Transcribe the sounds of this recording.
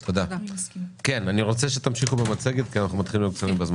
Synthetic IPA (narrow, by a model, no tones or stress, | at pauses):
t̪ʰo̞d̪a | ke̞naniʁo̞t͡seʃe̞t̪amʃiχubemat͡se̞ɡet̪kianaχnumat̪χilimjoɡkt͡saʁimbezma